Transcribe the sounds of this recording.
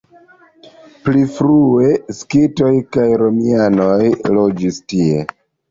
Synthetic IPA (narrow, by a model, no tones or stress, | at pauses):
plifɾue̞skito̞jkajɾo̞miano̞jlod͡ʒistie̞